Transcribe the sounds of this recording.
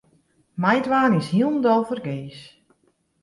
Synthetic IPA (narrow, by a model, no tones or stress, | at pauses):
majdʋaːnɪshiəlˠndɔlˠfərɡeːs